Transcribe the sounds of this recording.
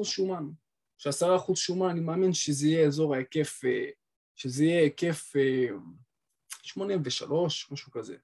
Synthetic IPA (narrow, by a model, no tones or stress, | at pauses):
uzʃuman | ʃeasaʁaːχuzʃumananimeaminʃezeijeːzo̞ʁaeke̞fe | ʃezeijeke̞fe | ʃmo̞nimveʃa̰lo̞ʃmaʃukaze̞̰